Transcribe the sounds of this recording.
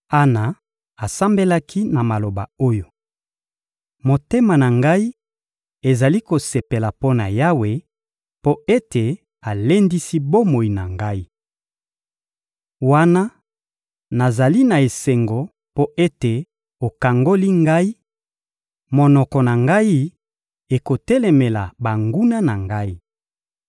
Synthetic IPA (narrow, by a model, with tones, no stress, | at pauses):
a˦na˨ | a˨sa˦mbe˦la˦kʰi˦na˨ma˨lo˨ba̰˨o˦jo˨ | mo˨te˦ma˨na˨ŋɡa˦i˦ | e˨za˨li˦ko˨se˨pe˨la˨po˦na˨ja˦we˨ | po˦e˦te˨ | a˨le˦ndi˦si˦bo˦mo˨i˨na˨ŋɡa˦i˦ | wa˦na˦ | na˨za˨li˦na˨e˨se˨ŋɡo˨ | po˦ʔe˦te˨ | o˨ka˨ŋɡo˦li˦ŋɡa˦i˦ | mo˨nɔ˨kɔ˨na˨ŋɡa˦i˦ | e˨ko˨tɛ˦le˨me˨la˨ba˨ŋɡu˦na˦na˨ŋɡa˦i˦